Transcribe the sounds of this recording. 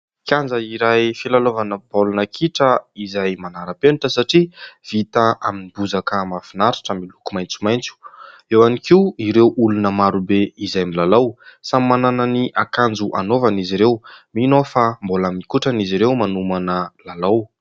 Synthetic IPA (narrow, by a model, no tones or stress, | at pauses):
kʲand͡zəiɾajfilalovanəbolunəkʰiʈ͡ʂəizajmanaɾəpenuʈ͡ʂəsaʈ͡ʂiv̥it̪aʔaminibuzakəmafinaɾi̥ʈ͡ʂəmilukumajnt͡su̥majnt͡su̥ | ewanikiuiɾewʔulunəmaɾubeizajmilalawsammːanananiʔakand͡zuʔanovaniziɾewminofambolamikuʈ͡ʂaniziɾewmanumanəlalaw